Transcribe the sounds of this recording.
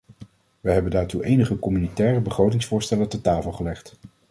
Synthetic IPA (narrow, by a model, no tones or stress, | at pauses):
ʋəɦɛbəndaːɹtuʔejnəχəkɔmynitɛːrəbəχrowt̬ɪŋsfʊːɹstɛlətɔtaːfəlˠχəlɛχt